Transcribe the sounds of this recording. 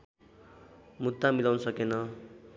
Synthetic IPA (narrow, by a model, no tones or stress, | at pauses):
mud̪ːamilawnʌsʌkenʌ